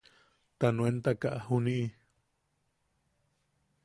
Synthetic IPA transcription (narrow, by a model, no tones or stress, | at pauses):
t̪anũent̪akaʔahunĩʔi